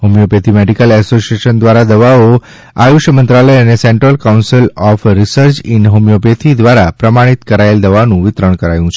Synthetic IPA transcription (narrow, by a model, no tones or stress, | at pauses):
ɦomijopet̪ʰimeɖikəlɛsosieʃənd̪ʋaɾad̪əʋao | ajuʃjəmənt̪ɾaləjəneseɳʈɾəlkawnsilɔfɾisəɾt͡ʃɪnɦomjopet̪ʰid̪ʋaɾapɾəmaɽ̃it̪kəɾaeld̪əʋanũʋɪt̪ɾəɳ̃kəɾa̰jũt͡ʃʰe